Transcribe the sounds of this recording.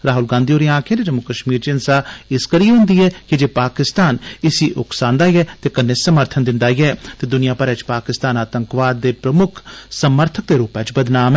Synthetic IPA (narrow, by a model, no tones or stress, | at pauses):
ɾaːɦʊlɡãːnd̪ioːɾiãːkʰẽd̪ed͡ʒəmːʊkəʃmiːɾt͡ʃɪnsaːɪskəɾiːɦʊ̃nd̪iːɛːkɪd͡ʒeːpaːkɪst̪aːnɪsiːʔʊ̰ksãːnd̪aːiɛːt̪eːkənːeːsəməɾt̪ʰənd̪ɪ̃nd̪aːiɛːt̪eːd̪ʊnɪjãːpəɾɛːt͡ʃpaːkɪst̪aːnaːt̪əŋkʋaːd̪ːeːpɾəmʊkʰsəməɾt̪ʰək̚d̪eːɾuːpɛt͡ʃbəd̪naːmɛː